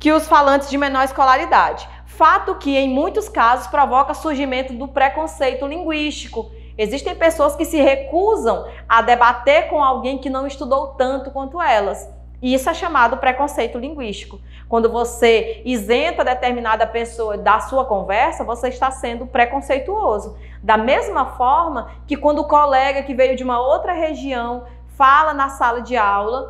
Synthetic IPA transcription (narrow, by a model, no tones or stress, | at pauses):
kɪʊsfalɐ̃nt͡ʃɪzd͡ʒɪmẽnɔɾiskɔlaɾid̪ad͡ʒɪ | fat̪ʊkɪẽj̃mũj̃t̪ʊskazʊspɾɔvɔkɐsuɾʒimẽnt̪ʊd̪ʊpɾekõsejt̪ʊlĩɡwiʃt͡ʃi̥kʊ | eziʃt̪ẽj̃pesoɐskɪsɪhekuzɐ̃w̃ | ad̪ɛbat̪eɾkõawɡẽj̃kɪnɐ̃w̃ist̪ud̪owt̪ɐ̃nt̪ʊkwɐ̃nt̪ʊɛlɐs | isʊɛʃamad̪ʊpɾekõsejt̪ʊlĩŋɡwiʃt͡ʃi̥kʊ | kwɐ̃nd̪ʊvoseizẽnt̪ɐd̪et̪eɾmĩnad̪ɐpesoɐd̪ɐsuɐkõvɛɾsɐvoseiʃt̪asẽnd̪ʊpɾekõsejt̪uozʊ | d̪ɐmezmɐfɔɾmɐ | kɪkwɐ̃nd̪ʊʊkɔlɛɡɐkɪvejʊd͡ʒɪũmɐowt̪ɾɐɦeʒiɐ̃w̃ | falɐnɐsalɐd͡ʒɪawlɐ